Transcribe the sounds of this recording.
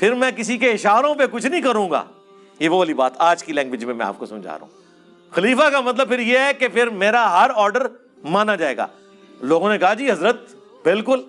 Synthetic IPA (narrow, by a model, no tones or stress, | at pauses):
pʰɪɾmɛ̃ːkɪsikeɪʃaːɾõp̬ekʊt͡ʃʰnɐɦĩkɐɾũːɡa̰ː | jeʋoɐlibaːt̪ʰaːd͡ʒkilɛ̃ːŋɡʋɪd͡ʒmẽmɛ̃a̰ːp̚kosɐmd͡ʒa̰ːɾɐ̰ṵ̃ː | xɐliːfakamɐt̪̬ləb̚pʰɪɾjeɦɛkepʰɪɾmeːɾaɦɐɾɔːɾɖəɾ | maːnad͡ʒaːeːɡa̰ː | loːɡõnekɐɦad͡ʒiːɦɐzɾət̪̚ | bɪlkʊl